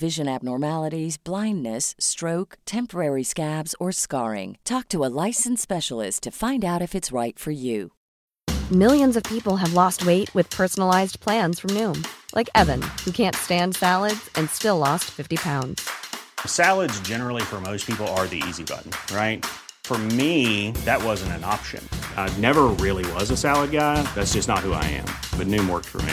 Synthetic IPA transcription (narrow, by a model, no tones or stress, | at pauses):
vɪʒɨ̃næb̚nɔɹmælˠəɾizblãɪ̃nːɨstɹ̥oʊktʰɛ̃mpə˞ɛɹiskæbzə˞skɑ̰ɹɪ̰̃ŋtʰɔk̚tʰəəlaɪsn̩spɛʃl̩ˠɪ̰stʰɨfãɪ̃ndaʊɾɨfɨtsɹaɪtfə˞jʉ | mɪlˠjɨ̃nzʌv̥pʰipl̩ˠəvlɔst̚weɪʔ̚wɨð̥pʰɜ˞sn̩l̩aɪzpʰl̥æ̃nz̥fɹʌ̃mnʉ̃mlʔa̰ɪkɛvɨ̃nhʉkʰæ̃ntstæ̃nd̥sælˠədz̥ɨ̃nstɪlɔstfɪftipʰãʊ̃ndz̥sælˠədzd͡ʒɛnə˞l̩ˠifə˞moʊspʰipl̩ˠə˞ðḭḭzibʌ̰ʔn̩ɹaɪt̚fə˞miðɨt̚wʌzɨ̃n̩tɨ̃nɑ̰pʃɨ̰̃nnɛvə˞ɹɪlˠiwʌzɨsælˠəd̚ɡaɪðætsd̥ʒ̥ʌsnət̚hua̰ɪɨ̰̃mb̥ʌt̚ⁿnʉ̃mwɜ̰˞k̚tfə̰˞mḭ